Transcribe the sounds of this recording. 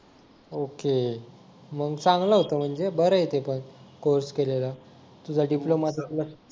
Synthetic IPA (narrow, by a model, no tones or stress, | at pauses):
oke | məɡsãŋɡləɦot̪əm̤əɳd͡zebəɾəjet̪epəɳkoɾskelela | t̪ud͡zʱaɖiplomat̪alə